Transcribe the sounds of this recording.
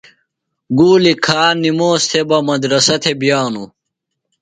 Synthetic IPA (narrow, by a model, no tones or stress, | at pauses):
ɡuːlikʰaːnimoːst̪ʰebɐmɐd̪ɾɐsɐt̪ʰebjaːnu